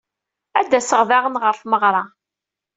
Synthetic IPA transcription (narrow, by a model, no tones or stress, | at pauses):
æd̪ːæsəʁvaʁənʁəɾfməʁɾˤɑ